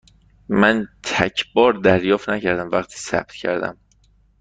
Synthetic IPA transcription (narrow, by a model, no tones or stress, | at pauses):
mænt̪ʰæcʰbɒːɾd̪æɾjɒːft̪næcʰæɾd̪æmvæχt̪ʰiːsæ̰b̥̚t̪cʰæ̰ɾd̪æ̰m